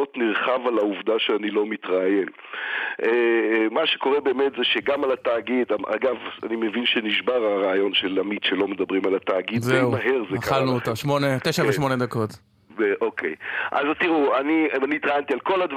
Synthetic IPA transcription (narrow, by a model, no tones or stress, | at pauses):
ot̪niʁχavalauvd̪aʃeanilo̞mit̪ʁajen | ʔemaʃeko̞ʁebe̞ːmet̪zeʃeɡamalat̪aːɡid̪aa̰ɡava̰nimevinʃeniʃbaʁaʁaːjo̞nʃelamit̪ʃelo̞med̪abʁimalat̪aːɡid̪zeumaɦeʁzeakχalnuotoʃmoneteʃaveʃmo̞ned̪ako̞t̪ | eʔokʰejʔa̰zt̪iʁuaniniit̪ʁajant̪ialko̞lad̪v